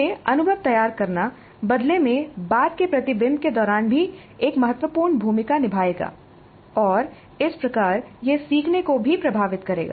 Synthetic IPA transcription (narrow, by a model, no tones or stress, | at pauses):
eɐnʊbʱəʋt̪ɐjaːɾkɐɾna | bɐd̪lemẽbaːt̪kepɾɐt̪ɪbɪ̃nd̪̚ked̪ɔːɾaːnbʱi | eːkmɐɦət̪wəpuːɾɳbʱuːmɪkanɪbʱaːeːɡa̰ː | ɔːɾ | ɪspɾɐkaːɾjesiːkʰnekobʱipɾɐbʱaːʋɪt̪kɐɾḛːɡa̰ː